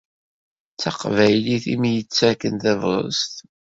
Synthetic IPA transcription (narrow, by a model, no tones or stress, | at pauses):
t͡st͡sːɑqvæjliθimjət͡sːækːənθævɾˤə̰st̪